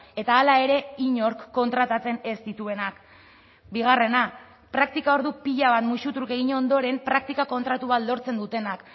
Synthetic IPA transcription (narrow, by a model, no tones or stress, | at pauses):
e̞t̪aːlae̞ɾe̞iɲo̞ɾkːo̞nt̪ɾat̪at͡se̞ne̞st̪it̪ue̞nak | biɣ̞are̞na | pɾakt̪ikao̞ɾðupiʎaβ̞at̪muʃut̪ɾuke̞ɣiɲo̞nd̪o̞ɾe̞mpɾak̚t̪ikako̞nt̪ɾat̪uβat̪lo̞ɾt͡se̞nd̪ut̪e̞nak